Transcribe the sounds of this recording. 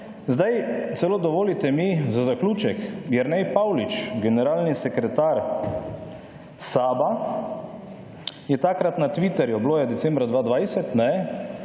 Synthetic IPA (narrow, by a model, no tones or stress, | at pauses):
zd̪ajt̪sɛloːd̪ɔʋoːlit̪ɛmizazakluːt͡ʃɛkɡjɛɾnɛjpawlit͡ʃɡɛnɛɾaːlnisɛkɾɛt̪aːɾ | saːba | jɛt̪akɾat̪nat̪ʋit̪ɛɾjubloːjad̪ɛsɛ̃mbɾad̪ʋaːd̪ʋajsɛt̪nɛ